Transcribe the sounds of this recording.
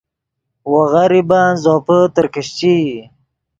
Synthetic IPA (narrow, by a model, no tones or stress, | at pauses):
waɣaɾibaːnzoːpət̪əɾkəɕt͡ʃi